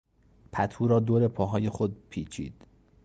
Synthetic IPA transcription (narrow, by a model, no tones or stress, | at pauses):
pʰæt̪ʰuːɾɒːd̪oːɾe̞pʰɒːɦɒːje̞xod̪̚pʰiːt͡ʃʰḭːd̪̥